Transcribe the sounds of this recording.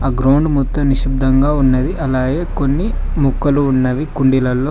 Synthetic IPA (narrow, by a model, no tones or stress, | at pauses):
aːɡɾɐwɳɖmut̪ːɐmniʃib̚d̪ʱɐŋɡaːunːɐd̪iʔɐlaːɡeːkonːi | mukːɐluːnːɐʋikuɳɖilɐlːoː